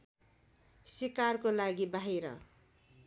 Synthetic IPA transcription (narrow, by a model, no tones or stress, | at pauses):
sikarkolaɡibaɦiɾʌ̰